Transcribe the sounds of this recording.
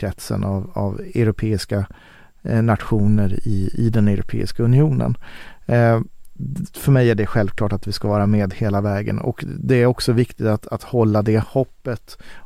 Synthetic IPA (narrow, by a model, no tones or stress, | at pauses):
ɾɛt̪sə̰nava̰vɛʊɾʊpʰeːɪska | nat̪ɧuːnəɾɪɪ̰d̪ɛnɛɾʊ̰pʰḛːɪ̰skaɵnɪuːnə̰n | fœɾmɛjæɖɛɧɛlvkʰlɑːʈat̪vɪskavɑːɾameːd̪heːlavɛːɡə̰nɔ̰kd̪ɛæɾɔksɔvɪkt̪ɪt̪at̪at̪hɔlːad̪ɛhɔpːət̪